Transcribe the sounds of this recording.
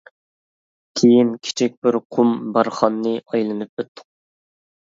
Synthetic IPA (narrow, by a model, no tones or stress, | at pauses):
kʲʰejinkʲʰi̥t͡ʃʰik̚ʲbɪɾqʰumbɑɾχɑnːɨɑjlˠɨnɨp̚øt̪ʰːʊ̥q